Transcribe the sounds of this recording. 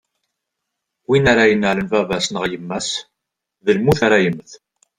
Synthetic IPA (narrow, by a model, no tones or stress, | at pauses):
winaɾajənːələnvævæsnəʁjəmːæs | ðəlmuθaɾajəmːθ